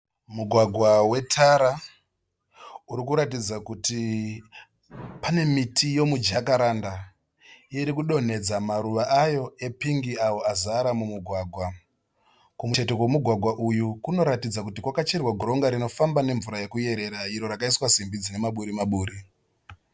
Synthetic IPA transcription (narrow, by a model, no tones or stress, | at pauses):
muɡʱwaɡʱwawe̞tʰaɾa | uɾikuɾatid͡zakuti | pane̞mitʰijo̞mud͡ʒakaɾanda | iɾikuɗo̞n̤e̞d͡zamaɾuʋaʔajo̞e̞piŋɡiawo̞azaɾamumuɡʱwaːɡʱwa | kumuete̞kwemuɡʱwaɡʱwaʔujukuno̞ɾatid͡zakutikwakat͡ʃerwaɡʱuɾo̞ŋɡaɾino̞fambane̞ɱvuɾaje̞kuje̞ɾe̞ɾaiɾo̞ɾakaiswasimbid͡zine̞maɓuɾimaɓuːɾi